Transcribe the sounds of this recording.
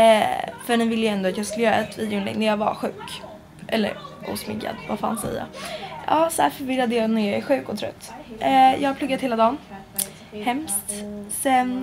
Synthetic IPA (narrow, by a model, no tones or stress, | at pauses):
ɛfœɳɪvɪlːəjɛnd̪ʊat̪jɑːskɵlːəjːɾaɛt̪ʰːvid̪jʊnɛ̰ɡnæɾjɑːɡva̰ɧʉ̟ːk | ʔɛlːə̰ɾʔṵːsmɪ̰ɡːa̰d̪va̰fːa̰nsɛ̰jːa̰ʔɑːsɔhæɾfœɾvɪɾad̪əjɑːnæɾjɑæɾɧʉ̟ːkɔt̪ʰɾœ̰t̪ːjʔɑːɡap̪ʰɵɡːat̪heːlad̪ɑːn | hɛmst̪sɛn